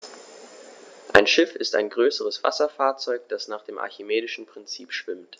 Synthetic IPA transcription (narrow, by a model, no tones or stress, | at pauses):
ʔaɪnʃɪfɪsta̰ɪnɡʁøːsəʁəsv̥a̰sɐfaːɐt͡sɔʏk̚d̥asnaːχd̥eːmʔa̰ɐçimeːdɪʃn̩pʁ̥ɪnt͡siːpʃv̥ɪmt